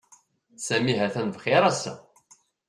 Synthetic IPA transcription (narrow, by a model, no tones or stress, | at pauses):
sæmiɦæθænvχeɾˤæsːæ̰